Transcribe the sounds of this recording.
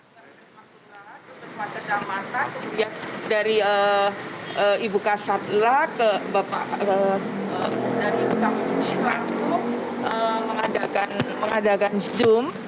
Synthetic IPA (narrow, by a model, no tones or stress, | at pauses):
əɾaaulaat̪ubərpat̪̚kəd͡ʒamat̪aniadaɾiə | əibukasat̪̚lakəbapa̰ʔəədaɾiibuk̪amunilatuəməŋadakanməŋadakand͡ʒum